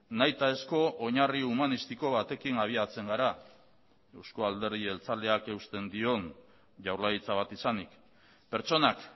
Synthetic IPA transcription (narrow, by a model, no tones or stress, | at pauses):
najt̪ae̞sko̞ʔoɲariumanist̪iko̞β̞at̪e̞kinaβ̞iat͡se̞ŋɡaɾa | e̞wsko̞ald̪e̞ɾð̞ie̞lt͡sald̪e̞ake̞ust̪e̞nd̪io̞n | ʝawɾlait͡saβat̪isanik | pe̞ɾt͡ʃo̞nak